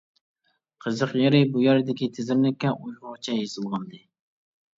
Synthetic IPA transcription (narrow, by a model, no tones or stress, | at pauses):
qʰəzəqjeɾɪbujɛɾd̪ɪkʲit̪ʰɪzɪɾnɪkʲːɛʔujʁʊʁt͡ʃʰɛjezɨlˠʁɑnd̪ɨ